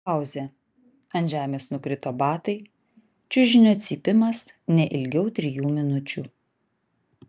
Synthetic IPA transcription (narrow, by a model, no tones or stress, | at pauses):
ɑˑʊzʲɛ | ɐnʲʒʲæːmʲeːsnʊkɾʲɪt̪oːbɑːt̪ɐɪ | t͡ʃʲʊʒʲɪnʲoːt̪sʲiːpʲɪmɐs | nʲɛʔɪlʲɡʲɛʊt̪ʲɾʲɪjuːmʲɪnʊt͡ʃʲuː